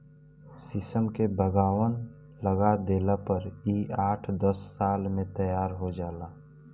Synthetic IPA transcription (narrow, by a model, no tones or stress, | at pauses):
sɪsəmkebəɡaːwən | ləɡad̪eːlapəɾiːaːʈʰd̪əsːaːlmẽt̪əjaːɾɦod͡ʒaːlaː